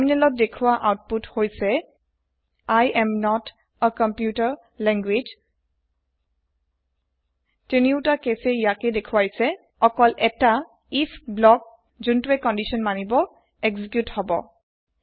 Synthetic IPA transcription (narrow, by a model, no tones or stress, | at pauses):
minɛlɔt̚dekʰuwaʔawt̚puthojsɛ | ajɛmnɔt | əkɔmpjutaɹ | lɛŋɡwid͡ʒ | teniʊtakeseijakɛdekʰuwajsɛ | ɔkɔlʔɛta | isblɔk̚ | zuntuɛkɔ̃ndisɔnmanibɔ | ekzikjuthɔbɔ̰